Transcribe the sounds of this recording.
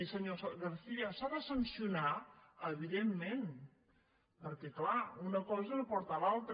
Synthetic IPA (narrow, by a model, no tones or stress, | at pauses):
səɲosɣaɾθiasaðəsansjunaəβiðemːẽn | pəɾkeklaunəkɔzənopɔɾt̪alalˠt̪ɾ